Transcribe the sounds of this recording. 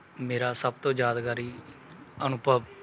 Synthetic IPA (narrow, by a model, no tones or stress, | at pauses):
meːɾaːsəb̚t̪õːd͡ʒjaːd̪ɡaːɾiː | ənʊpəb